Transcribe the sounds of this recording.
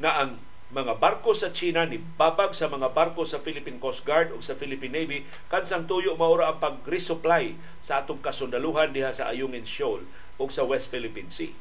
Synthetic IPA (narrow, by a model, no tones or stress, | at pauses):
ŋaʔɐŋ | mɐŋabaɾkosɐt͡ʃiːnanɪbaːbaɡsɐmɐŋabaɾkosɐfilɪpinkos̚ɡaɹd̪oɡsɐfilɪpinːejbi | kansaŋt̪uːjoʔmɐʔuːɾaʔɐŋpɐɡ̚ɾɪsʊplaj | sɐʔaːt̪ʊŋkɐsʊnd̪ɐluːɦand̪ɪhasɐʔa̰jʊŋɪnʃol | ʔʊɡsɐwɛst̪̚filɪpinsḭ